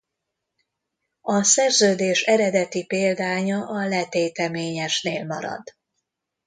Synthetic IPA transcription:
ɒsɛrzøːd̪eːʃɛɾɛd̪ɛt̪ipeːld̪aːɲɒʔɒlɛt̪eːt̪ɛmeːɲɛʃneːlmɒ̰ɾɒ̰d̪

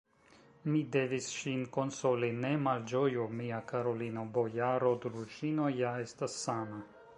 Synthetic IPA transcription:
mid̪evisʃinkonsolinemald͡ʒojumiakaɾolinobojaɾod̪ɾud͡ʒinojaest̪asːana

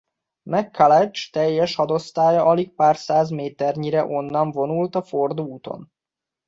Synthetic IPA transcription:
mɛkʰːalɛt͡ʃt̪ɛjːɛʃhɒd̪o̞st̪aːjɒʔɒlik̚paːrsaːzmeːt̪ɛrɲiɾɛʔo̞nːɒɱvo̞nult̪ɒfo̞rd̪uuːt̪o̰n

